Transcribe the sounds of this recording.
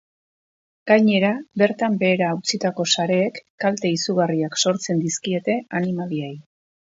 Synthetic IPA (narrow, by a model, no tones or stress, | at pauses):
ɡ̥ajɲe̞ɾabe̞ɾt̪ambe̞ːɾaːwt͡sit̪ako̞saɾe̞ːkːalt̪e̞isuɣ̞ariakso̞ɾt͡se̞nd̪iskie̞t̪e̞animaliej